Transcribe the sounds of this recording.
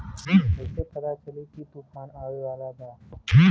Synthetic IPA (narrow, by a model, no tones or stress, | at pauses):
esepəd̪at͡ʃəliːkʰiːt̪uːfʰaːnaːʋeʋaːlaːd̪aː